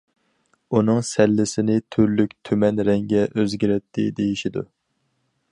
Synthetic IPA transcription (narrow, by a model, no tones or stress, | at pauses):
unɨŋsɛlːɪsɪnɪt̪ʰyɾlykʲt̪ʰymɛnɾɛŋɡʲɛʔøzɡʲiɾɛt̪ʰːɪ̰d̪ejiʃid̪ṵ